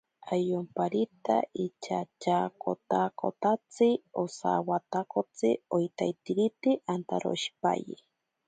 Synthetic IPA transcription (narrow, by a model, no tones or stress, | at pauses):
ajompaɾit̪a̰it͡ʃat͡ʃakot̪ako̰t̪at͡sɨosa̰wat̪akot͡sɨ̰ojt̪ajt̪iɾit̪iʔant̪aɾo̰ʃi̥pa̰jḭ